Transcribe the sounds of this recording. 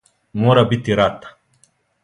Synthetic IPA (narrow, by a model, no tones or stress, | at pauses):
moɾabit̪iɾaːt̪ḁ